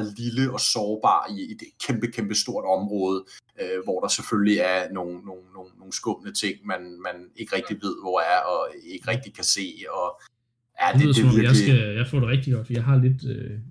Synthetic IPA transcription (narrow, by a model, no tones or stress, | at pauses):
liləɒ̽sɒːb̥ɑ̰̈ːid̥kʰemb̥əkʰemb̥əsd̥o̝ɐ̰d̥ɒ̽mʁɔ̽ːð̞̩ˠøʋɒd̥ɑ̈sefølliæɐno̝ːŋ̩no̝no̝ːnːo̝ːŋn̩sɡ̥ɔ̽b̥ənət͡sʰe̝ŋ̰mænmæne̝ɡ̥əʁɛɡ̥̚d̥iʋe̝ð̰ˠʋɒæɐɒ̽e̝ɡ̥ʁɛɡ̥̚d̥ikʰæse̝̰ːɒ̽ | jæe̥ð̰ˠeɔmɒmjɑsɡ̥æjɑ̈ɪfɔ̰ːdeʁɛɡ̥̚d̥iɡ̥ɒ̽d̥fɒijɑ̈ɪɦɑ̈le̝d̥ø